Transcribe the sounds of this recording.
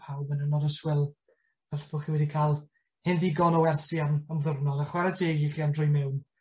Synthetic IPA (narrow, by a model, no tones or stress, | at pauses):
pʰawvənɪnɔdəswɪlˠ | vɛlɬb̥ʰoːχiwɛdikʰaːlˠ | hɪnðɪɡɔnɔwɛrsiamamðʊrnɔlˠaχwɛɾatʰeːɡiχiandrʊjmɪwn